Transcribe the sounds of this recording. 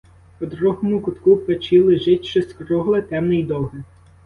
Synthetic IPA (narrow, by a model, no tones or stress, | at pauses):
pɔd̪ɾuɦɔmʊkʊt̪kupet͡ʃilˠɪʒɪtʲʃt͡ʃɪskɾɔɦlˠɪt̪ɛmnɪjd̪ɔɦɪ